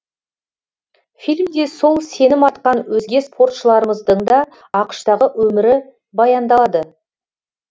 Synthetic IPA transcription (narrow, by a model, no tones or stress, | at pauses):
filʲmd̪e̞so̞lˠse̞nɪmɑt̪qɑnwɵzɡʲe̞spʰo̞rt̪ʃəlˠɑɾəməzd̪əɴd̪ɑ | ɑqə̥ʃt̪ɑʁəwɵmɪɾɪ | bɑjɑnd̪ɑlˠɑd̪ə